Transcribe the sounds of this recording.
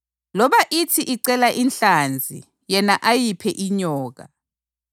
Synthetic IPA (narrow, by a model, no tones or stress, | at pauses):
lɔɓaʔitʰiʔiǀɛlaʔinɬand͡zʱḭ | jɛnaʔajipʰɛʔiɲɔːɣ̬a̰